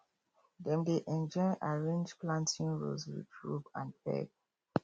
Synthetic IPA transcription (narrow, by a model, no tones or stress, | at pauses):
dɛ̃mdeʔɛ̃nd͡ʒɔɪʔaɹẽnd͡ʒplãntʰĩnɹo̰zwḭɹupãnpɛ̰ɡ